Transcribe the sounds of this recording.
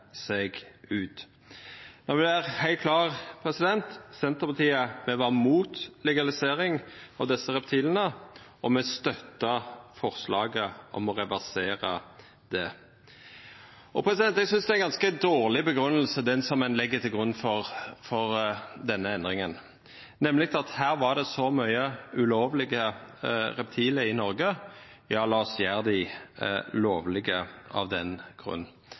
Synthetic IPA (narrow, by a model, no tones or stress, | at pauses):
sɛɡʉːt̪ | nɔʁʋɪæʁhæɪlt̪̚kʰlɑːʁpʰɾɛsɪd̪ɛnt̪sɛnt̪əpɑt̪ʰiːəmɛʋɑʁmuːt̪lɛɡɑlɪseːɾɪŋɑ̰ʋd̪ɛsːəɾɛpt̪ʰiːlənə | ɔmɛst̪œt̪ːəfɔʁslɑːɡəʔɔ̰mɔʁɛʋæʁseːɾə | d̪ɛ | ʔɔpʰɾɛsɪd̪ɛnt̪ɛɡsʏnsd̪ɛæɪnɡɑnskəd̪oːʁlɪbəɡɾʉnːəlsəd̪ɛnsɔmɛnlɛɡːət̪ʰɪlɡʁʉnːfɔʁfɔʁd̪ɛnːəɛnd̪ʁɪŋən | nɛmːlɪk̚t̪ɑt̪hæːʁʋɑʁd̪ɛsɔmœʏəʉloːʋlɪɡə | ʁɛp̚t̪ʰiːləɪnɔɾɡə | jɑːlɑːɔsjæːʁd̪ɪ | loːʋlɪɡəɑ̰ʋd̪ɛnɡ̥ʁʉ̰nː